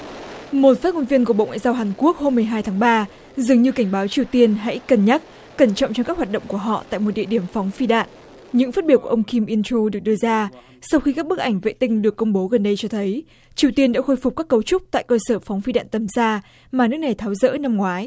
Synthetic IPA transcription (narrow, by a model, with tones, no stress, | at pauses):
mo˨˩t̚faː˦˥t̚ŋo˧nvi˧ənku˧˩ɓo̰˧˨wŋwa̰ː˧˨zaː˧wɦaː˨˩nku˦˥ək̚ho˧mːɨ˨˩əjɦaː˧jt̪ʰaː˨˦ŋɓaː˧ | zɨ˨˩əŋɲɨ˧ka˧˩jŋ̟ɓaː˨˦wt͡ɕi˨˩əwt̪i˧ənɦa̰˧˥jkə˨˩nɲa˦˥t̚ | kə˧˩nt͡ɕɔ̰˧˨wŋ͡mt͡ɕɔ˧ŋ͡mkaː˦˥k̚hwaː˨˩ɗə̰˧˨ŋ͡mku˧˩əɦɔ̰˧˨t̪a̰ː˧˨jmo˨˩t̚ɗḭ˧˨əɗi˧˩əmfɔ˨˦wŋ͡mfi˧ɗa̰ː˧˨n | ɲɨ̰˧˥ŋfaː˦˥t̚ɓi˧˩əwku˧˩ʔə˧wŋ͡mki˧mʔi˧nt͡ɕu˧ɗɨ˨˩ək̚ɗɨ˧əzaː˧ | sa˧wxi˧kaː˦˥k̚ɓɨ˦˥k̚ʔa˧˩ŋ̟vḛ˧˨t̪ï˧ŋ̟ɗɨ˨˩əkːʊ˧ŋ͡mɓo˨˦ɣə˨˩nɗə˧jt͡ɕɔ˧t̪ʰə˨˦j | t͡ɕi˨˩əwt̪i˧ənɗa̰ː˧˥xo˧jfʊ˨˩k͡p̚kaː˦˥kːə˧wt͡ɕʊ˦˥k͡p̚t̪a̰ː˧˨jkəː˧səː˧˩fŋ͡mfi˧ɗa̰ː˧˨nt̪ə˨˦mzaː˧ | maː˨˩nɨ˦˥ək̚na˨˩jt̪ʰaː˨˦wzə̰ː˧˥na˧mŋwaː˨˦j